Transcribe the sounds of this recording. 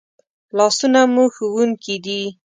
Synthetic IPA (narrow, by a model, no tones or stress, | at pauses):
lɑsunamuxuwuŋkid̪i